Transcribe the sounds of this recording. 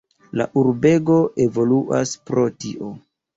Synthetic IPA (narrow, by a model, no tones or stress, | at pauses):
la̰ʔuɾbe̞ɡo̞ʔe̞vo̞luʔaspɾo̞tiʔo